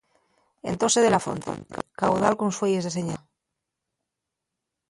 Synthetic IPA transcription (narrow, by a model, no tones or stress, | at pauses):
ḛnt̪oseð̞elafo̰nt̪ḛkawðalkonsweje̞zðeseɲa